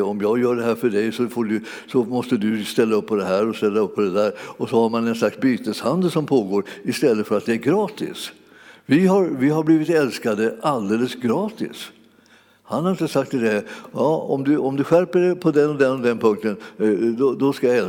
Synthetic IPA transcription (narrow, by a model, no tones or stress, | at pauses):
ɔmjɑːɡjœːɖɛɦæːɾfœɖɛjsɔfoːɖɵ | sɔmɔst̪əd̪ɵst̪ɛlːaɵpʰːɔd̪ɛɦæːɾɔst̪ɛlːaɵpʰːɔd̪ɛd̪æːɾɔsɔhaɾmanɛnslaksbyːt̪əshand̪əlsɔmpʰoːɡoːɾɪst̪ɛlːət̪fœɾat̪̚d̪ɛæɾɡɾɑːt̪ɪ̰s | vɪhaɾvɪɦaɾbliːvɪt̪ɛlskad̪əʔald̪eːləsɡɾɑːt̪ɪ̰s | hanhaɾɪnt̪əsak̚t̪ʰːɪld̪ɛæjɑːɔ̰md̪ɵɔmd̪ɵɧæɾpəɖɛpʰɔd̪ɛnɔd̪ɛnɔd̪ɛnpʰɵŋk̚t̪ənd̪ɔd̪ɔskajaɛ